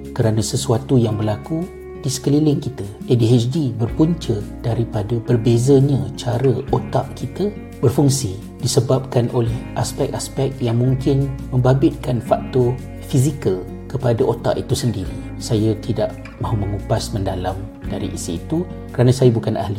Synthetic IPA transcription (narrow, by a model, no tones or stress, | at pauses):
kəɾanãsəsuat̪ujaŋbərlaku | d̥isə̥kəlilɪŋkit̪aediɛsdibərpuɲt͡ʃəd̥aɾipadabərbezaɲãt͡ʃaɾəot̪aʔkit̪ə | bərfuŋsi | disəbap̚kanʔolɛhʔaspɛk̚aspɛk̚t̪jaŋmũŋkɪnmə̃mbabɪt̪̚kanfak̚t̪ɔ | fizikəl | kəpadaʔot̪a̰ʔit̪usəndiɾi | sajat̪idaʔ | mãɦumə̃ŋupasməndalam | daɾḭʔḭsiːt̪u | kəɾanãsajabukana̰hli